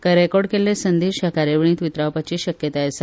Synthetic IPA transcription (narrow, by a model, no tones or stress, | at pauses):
kəɾekɔɽkelesənd̪iɕjakaɾjəʋiɳ̃iːt̪ʋit̪ɾaʋpat͡ɕiːɕəkjət̪aəsə